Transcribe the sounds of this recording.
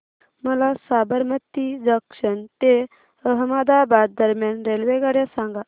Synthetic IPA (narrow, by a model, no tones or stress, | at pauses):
məlasabəɾmət̪id͡zəkʂənt̪e | əɦmad̪abad̪̚ːəɾmjanɾelʋeɡaɾjasãŋɡa